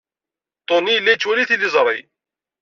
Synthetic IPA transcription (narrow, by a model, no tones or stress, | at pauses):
t̪ˤonilːæt͡ʃːwæliθilizˤɾˤḭ